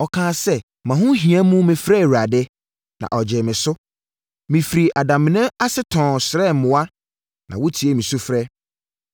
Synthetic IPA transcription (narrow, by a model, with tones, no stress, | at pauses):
ɔ˨kʰãː˨˦˨sɛ˦ | mã˨ɦʊ̃˦ɦĩ˨ã˦mũ˦mɪ̃˨fɾɛ˦˨wa˨dɛ˦ | nã̰˨ʔɔ˨d͡ʑɪ˨mɪ̃˨sʊ˦ | mĩ˨fɾi˨ʔa˨dã˨mɪ̃˨nɛ̃˦a˦sɪ˦tʰɔ̃˨sɾɛ˦˨mʊ̃˨˦a˦ | nã̰˨wʊ˦tʰi˨e˦mĩ˨su˦fɾɛ˦